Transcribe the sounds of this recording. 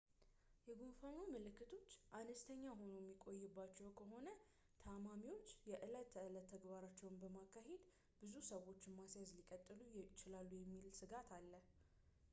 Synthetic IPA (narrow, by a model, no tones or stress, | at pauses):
jɛɡunfanomɨlɨkːɨt̪ʰo̞t͡ʃːʔanəst̪ʰəɲːaɦo̞nujɛmːikʼo̞jːɪbːat͡ʃːɛwkʰəɦo̞nə | t̪ʰamamiwo̞t͡ʃːjɛʔɨlət̪ʰːəɨlət̪ʰːəɡbaɾat͡ʃːɛwnbəmakʰːahe̞d̪ | b̥ɨzusəwo̞t͡ʃːɪnmasjazlikʼət̪ʼːɨlujt͡ʃɪlalːujɛmːilsɨɡat̪ʰalːəh